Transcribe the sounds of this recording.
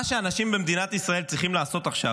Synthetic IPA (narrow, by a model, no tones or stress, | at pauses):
aʃeanaʃimbemd̪inat̪isʁaelt͡sʁiχimlaːso̞t̪aχʃa